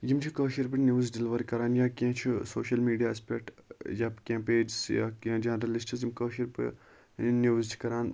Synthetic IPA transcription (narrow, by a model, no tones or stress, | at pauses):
jimt͡ʃʰikəːʃiɾpɨnʲjuːzɖilʋɐɾkɐɾaːnjaːkẽːt͡ʃʰisoːʃɐlmiːɖijaːɐspekʈjaːpkẽːmpeːd͡ʒsja̰ːkẽːd͡ʒaːnɾɐlisʈɐzjimkəːʃiɾpɨ̰ | nuːzt͡ʃʰi̥kɐɾaːn